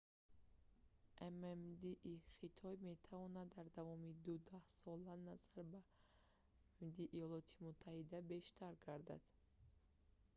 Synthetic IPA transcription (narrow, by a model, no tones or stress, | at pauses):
ʔememd̪iʔːχit̪ʰɔjme̞t̪ʰavɔnad̪ːaɾd̪avɔmid̪ud̪ahsɔlanaz̥aɾba | md̪iʔːjɔlɔt̪ʰimut̪ʰːahid̪abe̞ʃt̪ʰaɾɡaɾd̪a̰d̪̥